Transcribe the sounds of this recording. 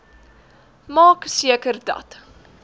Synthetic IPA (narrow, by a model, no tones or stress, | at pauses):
mɑːksiəkərdɐ̰t